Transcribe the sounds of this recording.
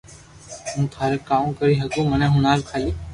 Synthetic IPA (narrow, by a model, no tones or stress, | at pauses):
ũːt̪ʰaːɾeːkaːũːkəɾiːɦəɡũːmənɛ̃ːɦʊnaːlkʰaːliː